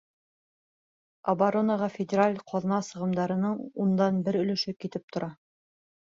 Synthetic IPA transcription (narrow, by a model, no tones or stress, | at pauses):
ɐbaɾonɑʁɑfʲɪdʲɪɾalʲqʰɑðɤ̆nɑsɤ̆ʁɤ̆md̪ɑɾɤ̆nɤɴund̪ɑnbɘɾɵ̆lɵ̆ʃɘkit̪ɘp̚t̪ŏɾʔɑ